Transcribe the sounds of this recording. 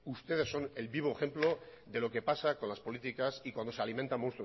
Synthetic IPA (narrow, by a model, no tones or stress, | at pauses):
ust̪e̞ð̞e̞sːo̞ne̞lβiβ̞oexe̞mplo̞ | ðe̞lo̞ke̞pasako̞nlaspo̞lit̪ikasikwand̪o̞sealimẽnt̪amonst̪ɾ